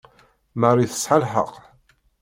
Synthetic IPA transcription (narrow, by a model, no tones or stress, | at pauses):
mərˤːiθə̥sħəlħə̰q